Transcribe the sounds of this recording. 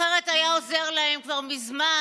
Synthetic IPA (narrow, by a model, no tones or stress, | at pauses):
eʁetajao̞ze̞ʁlae̞mkvaʁmizma